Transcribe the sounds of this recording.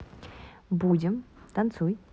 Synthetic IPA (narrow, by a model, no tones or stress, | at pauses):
bud͡ʑʲɪmt̪ant͡sʰuj